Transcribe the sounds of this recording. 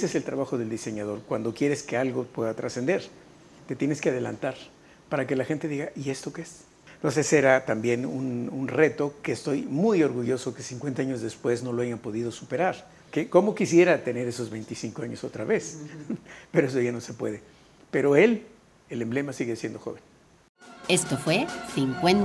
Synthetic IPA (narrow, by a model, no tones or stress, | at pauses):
sese̞lt̪ɾaβaxo̞ðe̞ld̪ise̞ɲað̞o̞ɾkwand̪o̞kje̞ɾeske̞alɣo̞pwe̞ðat̪ɾase̞nd̪e̞ɾ | t̪e̞t̪je̞neskeað̞e̞la̰nt̪aɾ | paɾake̞laxe̞nt̪e̞ðiɣaʔie̞st̪o̞kees | nt̪o̞nsese̞ɾat̪ambje̞nununre̞t̪o̞ke̞ːst̪o̞jmujo̞ɾɣuʝo̞so̞ke̞siŋkwe̞nt̪aaɲo̞zðespwe̞zno̞lo̞aʝampo̞ðið̞o̞supe̞ɾaɾ | keko̞mo̞kisje̞ɾat̪e̞ne̞ɾe̞sozβe̞jnt̪isiŋko̞aɲo̞so̞t̪ɾaβe̞s | peɾoe̞s̬oʝano̞se̞pwe̞̰ðe | pe̞ɾo̞e̞l | e̞le̞mble̞masiɣe̞sje̞nd̪o̞xo̞̰βe̞n | est̪ofwesiŋkwen